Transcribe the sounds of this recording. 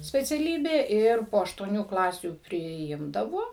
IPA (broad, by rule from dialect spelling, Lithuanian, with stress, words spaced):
sʲpʲɛt͡sʲɛˈlʲiːbʲeː ˈɪr poː ɐʃtuɔˈnʲuː ˈklˠɑːsʲuː pʲrʲɪˈɪmdɐʋoː